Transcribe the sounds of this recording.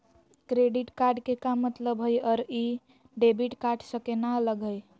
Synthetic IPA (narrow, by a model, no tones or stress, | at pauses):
kɾeɖiʈkaɾɖkekamːət̪ləbɦəjɔɾi | ɖebiʈkaʈsəkenaləɡʱəj